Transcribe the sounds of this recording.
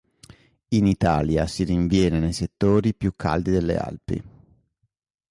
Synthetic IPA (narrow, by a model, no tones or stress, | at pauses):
init̪aːljasiɾiɱvjɛːnenejset̪ːoːɾipjukʰːa̰ld̪id̪elːḛa̰lpḭ